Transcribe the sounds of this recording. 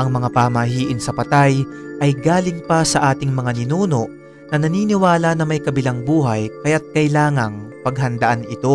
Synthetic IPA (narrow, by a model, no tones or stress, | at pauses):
ʔɐŋmɐŋapamɐhiːʔɪnsɐpɐt̪aj | ʔɐjɡaːlɪŋpɐsɐʔaːt̪ɪŋmɐŋanɪnuːno̞ʔ | nɐnɐniːnɪwaːlɐnɐmɐjkɐbɪlaŋbuːɦɐjkɐjat̪̚kɐjlaːŋɐŋpɐɡ̚ɦɐnd̪ɐʔanʔɪt̪o̞